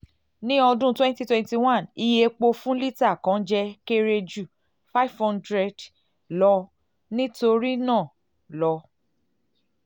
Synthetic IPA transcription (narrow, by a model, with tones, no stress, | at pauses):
nĩ˦ɔ˧dũ˦twɛ̃˦nti˧˦twɛ̃˧nti˧wã˦˨ni˧je˧k͡po˧fũ˦li˦ta˦˨kã˨˦d͡ʒɛ˧ke˦ɾe˧d͡ʒu˦˨ | fa˦i˦vhɔ̃˧ndɾɛ˧˨d | lɔ˧ | nĩ˦to˧ɾi˦nã˦˨ | lɔ˧